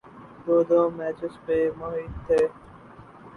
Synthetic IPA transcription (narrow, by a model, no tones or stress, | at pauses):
d̪oːd̪oːmɛːt͡ʃɪspemoɦiːt̪t̪ʰːeː